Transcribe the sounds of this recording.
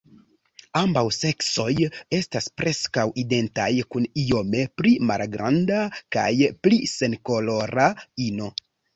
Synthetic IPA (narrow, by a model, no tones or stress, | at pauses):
ambawse̞kso̞je̞staspɾʔe̞skawide̞ntajkunio̞me̞pɾima̰lɡɾa̰ndaka̰jplise̞nko̞lo̞ɾaino̞